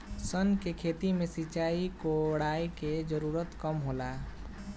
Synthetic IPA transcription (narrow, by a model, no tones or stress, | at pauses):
sənkekʰeːt̪imẽsit͡ʃaːikoɽaiked͡ʒəɾuːɾət̪kəmɦolaː